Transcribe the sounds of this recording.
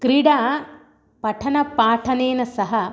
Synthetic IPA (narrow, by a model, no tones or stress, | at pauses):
kɾiɽaː | pɐʈʰɐnɐpaːʈʰɐneːnɐsɐɦɐ